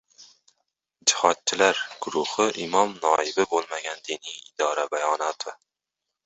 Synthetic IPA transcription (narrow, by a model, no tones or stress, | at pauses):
d͡ʒɪhɒt̪̚t͡ʃʰɪlaɾɡ̥ʊɾʊhɪʔɪmɒmnɒɪbɪbolˠmaɡʲand̪inijɪd̪ɒɾabajɒnɒt̪ʰɪ